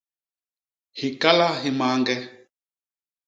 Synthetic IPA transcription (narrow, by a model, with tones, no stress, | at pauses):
hi˨ka˦la˦ɦi˨maː˨˦ŋɡɛ˦